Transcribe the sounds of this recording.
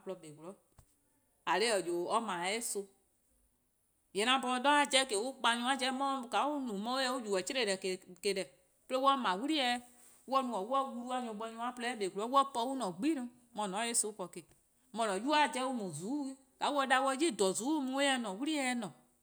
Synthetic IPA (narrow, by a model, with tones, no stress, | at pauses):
plɔ˧be˨klɔ˨˦ | a˨le˦ɔ˨d͡ʒo˨ɔ˦mã˨˦e˦so˧ | jɛ˨nã˨bɔ˧˦dɔ̃˦a˨˦d͡ʒɛ˦ke˨wu˦k͡pa˧ɲũ˧˦a˦d͡ʒɛ˦mɔ̃˦˧˦ka˨˦u˦nũ˨mɔ̃˦wo˦jɛ˧˦wu˦d͡ʒu˨wɛ˨t͡ʃe˦ɾe˦˨ɛ˨kke˨dɛ˨ | ple˦wɔ˦mã˨wu˦ɾi˦ɛ˧˦ | wɔ˦nũ˨ɔ˨wu˦ɔ˦wu˧lu˦a˧ɲɔ̃˧˨˦ɓɔ˧˦ɲũ˧˦a˦plɛ˦ɓe˨ɡu˨lɔ˨˦wɔ˦pɔ˧˦wu˦nɔ̃˨ɡ͡bi˦nũ˧ | mɔ̃˨nɔ̃˨˦e˦so˦kɔ˨ke˨ | mɔ̃˨nɔ̃˨ju˦a˦˨d͡ʒɛ˦wu˦mũ˨zu˨˦e˦ | ka˨˦wu˦ɔ˧˦da˧wɔ˧˦d͡ʒi˦˨dɔ˨zuː˨˦mũ˧˦e˦ɛ˧nɔ̃˨wu˦ɾi˦ɛ˧˦nɔ̃˨